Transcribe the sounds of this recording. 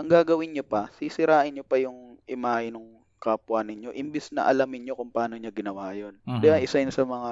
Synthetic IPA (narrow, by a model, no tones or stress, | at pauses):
ʔɐŋɡaːɡɐwɪnɲopɐsisɪɾaːʔɪnɲopɐjʊŋʔɪmaːʔɪnʊŋ | kaːpwɐnɪɲo̞ʔɪmbɪsnɐ̰ʔɐ̰lɐmɪnɲokʊŋpɐaːno̞ɲɐɡɪnɐwaːjond̪ɛɐnʔɪsɐjʊnsɐmɐŋa